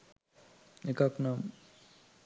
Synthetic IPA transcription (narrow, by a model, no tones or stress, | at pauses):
ekaknam